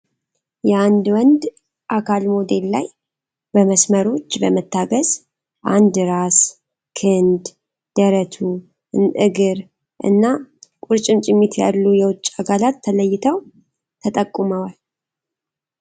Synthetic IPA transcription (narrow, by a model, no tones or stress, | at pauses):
jɛand̪wɔnd̪ | ʔakʰalmod̪e̞lːa̰j | bəməsməɾo̞t͡ʃːbəmət̪ʰːaɡəz̥ | ʔand̪ɾas | kʰɨnd̪ | d̪̥əɾət̪ʰu | ɨɡɨɾ | ʔɨ̰nːakʼuɾt͡ʃʼɪmt͡ʃʼɪmːit̪ʰja̰lːujɛwʊt͡ʃʼːaɡʰalat̪ʰːələjːɪt̪ʰəw | t̪ʰət̪ʼəkʼːuməwal